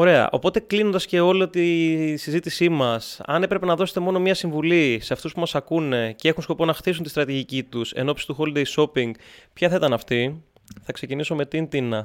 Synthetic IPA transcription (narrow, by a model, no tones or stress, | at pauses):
o̞ɾe̞ɐ̰ʔo̞̰po̞t̪e̞klino̞nd̪ɐsce̞o̞liot̪isizit̪isimɐsɐ̰ne̞pɾe̞pe̞nɐðo̞set̪e̞mo̞no̞mɲɐsiɱvulise̞ɐft̪uspumɐsɐkune̞cee̞xunsko̞po̞nɐxθis̬unt̪ist̪ɾɐt̪iʝicit̪use̞̰no̞psi̥t̪uxo̞ld̪ejso̞piŋɡpçɐθɐit̪ɐnɐft̪i | θɐkse̞ciniso̞me̞t̪int̪inɐ